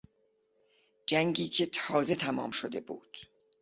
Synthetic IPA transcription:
d͡ʒæŋɟiːcʰe̞t̪ʰɒːze̞t̪ʰæmɒ̰ːmʃod̪e̞bṵːd̪̥

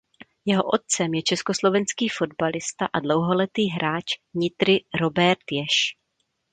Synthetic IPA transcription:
jɛɦo̞ʔo̞t̪̚t͡sɛmjɛt͡ʃɛsko̞slo̞vɛnskiːfo̞dbalɪst̪aʔadlo̞wɦo̞lɛt̪iːɦɾaːt͡ʃvɲɪt̪ɾɪɾo̞bɛɾt̪jɛʃ

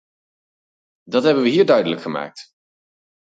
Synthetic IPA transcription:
dɑtɦɛbənʋəɦiːɹdœɥdələkχəma̰ːk̚t

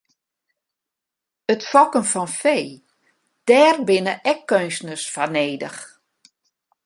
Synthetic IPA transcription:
ətfɔkənfɔnfeː | d̥ɛːrbɪnəʔɛkːønsnəsfaneːdəx

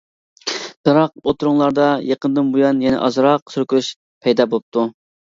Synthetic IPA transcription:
d̪̥ɑɾɑq̚ot̪ɾuŋlˠɑɾd̪ɑjeqənd̪ɨnbujɑnjɛnɪ̰ʔɑ̰zɾɑqsyɾkʲyɾyʃ | pʰɛjd̪ɑːbolˠɨp̚t̪ʰu

